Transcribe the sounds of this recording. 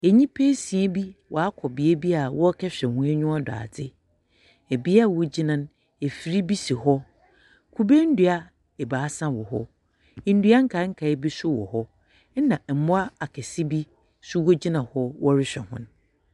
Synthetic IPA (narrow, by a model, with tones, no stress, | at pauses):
e˨ɲĩ˦pʰe˦sĩ˨e˦bi˦wʔɔ˨a˦kʰɔ˨bi˨e˦bi˦a˨wɔ˦kʰɛ˦ɕᶣɛ˨hʊ̃˨˦æ˦ɲʊ̃˦a˦da̰ː˨dɪ˦ | e˨bi˦a˦˨wo˦d͡ʑi˦nã˦n | e˨fi˨ɾi˦bi˦si˨ɦɔ˦ | kʰu˦be˦n̩˦du˨a˦ | ɛ˨baː˨a˦sã˦wɔ˨ɦɔ̰˦˨ | n̩˦dɥa˦ŋ̩˦kʰa˨˦ŋ̩˦kʰa˨˦ɪ˦bi˦sʊ˦wɔ̰˨hɔ˦ | nã˨m̩˨mʊ̃˦a˦a˨kʰɛ˨sɪ˦bi˦ | su˦wo˦d͡ʑi˦nã˨hɔ˦wɔ˦ɾɪ˦ɕᶣɛ̰˨hʊ̰̃˦n˦